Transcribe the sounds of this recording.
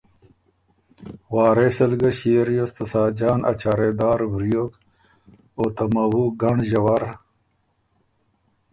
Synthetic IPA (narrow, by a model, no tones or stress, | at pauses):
waːɾesɐlɡɐɕeːɾjost̪ɐsaːd͡ʑaːnʔɐ̰t͡ɕaːɾeːd̪aːɾbɾijoːk | oːt̪ɐmɐwuɡɐɳʑɐwaɾ